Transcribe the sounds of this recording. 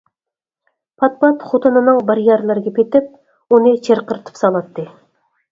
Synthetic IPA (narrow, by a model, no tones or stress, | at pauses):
pʰɑt̪̚pɑt̪χot̪ɨnɨnɨŋbɑɾjɑɾlˠɨɾɡʲɛpʲet̪ɪp̚ | onɨt͡ʃʰeɾqəɾt̪ʰɨ̥psɑlˠɑt̪ːɨ